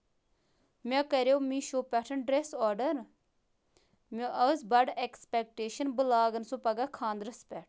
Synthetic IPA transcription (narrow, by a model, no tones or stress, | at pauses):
mɛ̃kəɾeoːmĩːʃoːpɛʈʰənɖɾesɔːɖəɾ | mẽʔəzbɐɖɛːkspɛːk̚ʈeːʃənbəlaːɡənsõːpɐɡaːkʰãːnd̪ɾəspɛːʈʰ